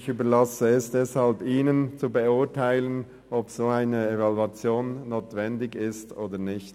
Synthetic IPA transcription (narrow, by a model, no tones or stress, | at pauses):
çyːbəlasəɛsd̥ɛshalbiːnənt͡subəʊtʰaɪlən | ʔɔbsoːaɪnəevɑluat͡sjoːnːoːtv̥ɛndɪɡɪstʔoːdənɪçt